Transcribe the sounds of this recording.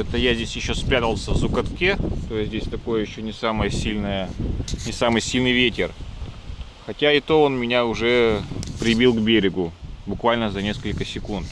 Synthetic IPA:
ɛt̪əjazʲdʲesʲjɪɕːo̞spɾʲat̪əlˠsʲəvzʊkɐt̪kʲet̪ojɪdʲesʲt̪ɐko̞jəjɪɕːo̞nʲɪsaməjəsʲilʲnəjənʲɪsamɨjsʲilʲnɨjvʲetʲɪr | xɐtʲaɪt̪o̞onmʲɪnʲaʊʐɛpɾʲɪbʲilˠɡbʲeɾʲɪɡʊbʊkvalʲnəzɐnʲe̞skəlʲkəsʲɪkunt̪

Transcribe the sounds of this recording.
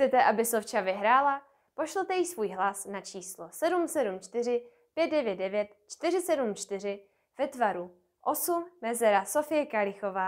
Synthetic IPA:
t͡sɛt̪ɛʔabɪsoft͡ʃavɪɦɾaːla | po̞ʃl̩t̪ɛjɪsvuːjɦlasnat͡ʃiːslosɛdumsɛdumt͡ʃt̪ɪr̝ɪ | pjɛt̪̚dɛvjɛd̪dɛvjɛt̪t͡ʃt̪ɪr̝ɪsɛdumt͡ʃt̪ɪr̝ɪ | v̥ɛt̪vaɾu | ʔo̞summɛzɛɾasofɪjɛkalɪxo̞vaː

